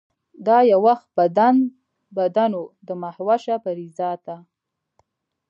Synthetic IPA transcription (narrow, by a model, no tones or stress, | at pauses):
d̪ɑjawaxt̪̚bad̪an | bad̪anod̪əmahwaʃapaɾizɑt̪a